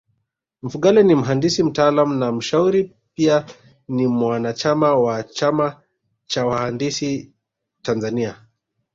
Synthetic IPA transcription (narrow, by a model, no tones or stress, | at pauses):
m̩fuɠalɛnim̩ɦandisim̩taːlamunam̩ʃauɾi | pia | nimwanat͡ʃamawat͡ʃama | t͡ʃawahandisi | tanzania